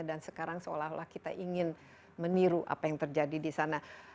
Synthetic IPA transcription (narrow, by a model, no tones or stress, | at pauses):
adansəkaɾaŋsəo̰laɦlahkit̪a̰ʔiŋɪn | məniɾuʔa̰pajaŋt̪ərd͡ʒadidisana